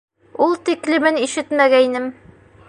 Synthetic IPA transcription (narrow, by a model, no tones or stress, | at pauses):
ulˠt̪iklɘ̆mɘniʃɘt̪mæɡæinɘm